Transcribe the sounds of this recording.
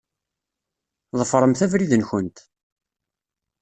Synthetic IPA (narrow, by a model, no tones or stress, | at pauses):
ðˤəfɾˤəmθævɾiðənçənt̪